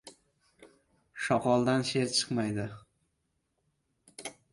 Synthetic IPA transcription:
ʃɒqɒlˠd̪anʃe̞ɾt͡ʃʰɨ̥qmajd̪ɪ

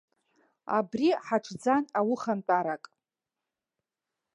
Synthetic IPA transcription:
a̰briħaʈ͡ʂʷʰd͡zanawʊχant͡pʷʼaɾakʼ

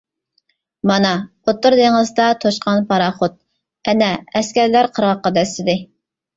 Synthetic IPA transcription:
mɑnɑqʰot̪ːʊɾd̪eŋəzd̪ɑt̪ʰoʃqʰɑnpʰɑɾɑχot̪̚ | ɛnɛɛskʲɛɾlæɾqʰəɾʁɑqːɑd̪ɛsɪd̪ɪ

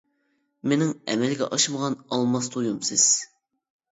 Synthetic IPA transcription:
menɪŋɛ̰mɛlɡʲɛ̰ʔɑʃɨməʁɑnɑlˠmɑst̪ʰojumsɪz̥

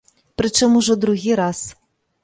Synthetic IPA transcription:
pɾɨt͡ʂɔmuʐɔd̪ɾuɣʲiɾɑs

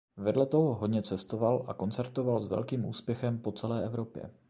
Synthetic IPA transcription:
vɛdlɛt̪o̞ɦoɦo̞dɲɛt͡sɛst̪o̞valʔako̞nt͡sɛɾt̪ovalzvɛ̰lkiːmʔṵːspjɛxɛmpo̞t͡sɛlɛːʔɛvɾo̞pjɛ̰

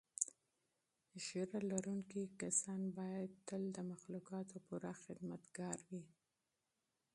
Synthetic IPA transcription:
ʃeɾalaɾuŋkikasɑnbɑjad̪̚t̪əld̪əmaxlukɑt̪opuɾaxɪd̪mat̪ɡɑɾwi

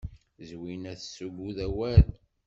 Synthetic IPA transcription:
zwinæθsuɡuðæwæð

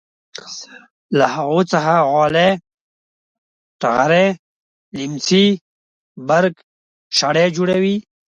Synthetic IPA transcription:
lahaɣot͡saɦaɣɔːle | ʈaɣaɾe | limt͡si | baɾk | ʃaɽed͡ʒuɽawi

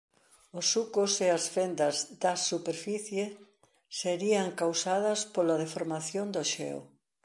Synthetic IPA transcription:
osukoseɐsfend̪ɐzd̪ɐsupeɾfiθje | seɾiɐŋkawsaðɐspolɐðefoɾmaθjond̪oʃɛ̰o̰

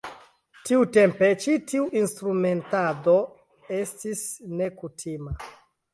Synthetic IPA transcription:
tiute̞mpe̞t͡ʃitiuʔinstɾume̞ntado̞ | e̞stisne̞kutʰima

